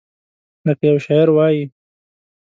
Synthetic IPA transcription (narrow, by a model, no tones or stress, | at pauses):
ləkajawʃɑjaɾwɑji